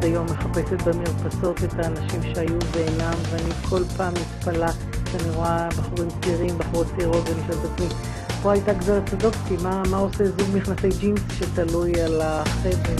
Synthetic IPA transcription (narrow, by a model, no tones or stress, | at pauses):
ajo̞mːeχape̞set̪bemiʁpaso̞tetaːnaʃimʃeajuveːnamveanikʰo̞lpaːmːitpala | ʃeaniʁoabaχuʁimt͡siʁimbaχuʁott͡siʁo̞tveliʃoltat͡smi | po̞ajtaɡzalat̪odo̞ksimamaosezuɡmiχnase̞jd͡ʒinsʃetalujalaχebʁe